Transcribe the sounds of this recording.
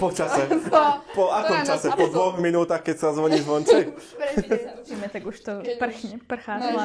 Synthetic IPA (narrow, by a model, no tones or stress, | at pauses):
pɔt͡ʃasɛpɔakɔmt͡ʃasɛpɔd̪ʋɔɣminuːt̪axkɛcsazʋɔɲiːzʋɔnt͡sɛj | imɛt̪aɡuʃt̪ɔpr̩xɲɛpr̩xaː